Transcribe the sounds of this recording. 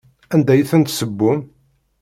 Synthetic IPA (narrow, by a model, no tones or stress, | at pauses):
ænd̪æjθənt̪səbːum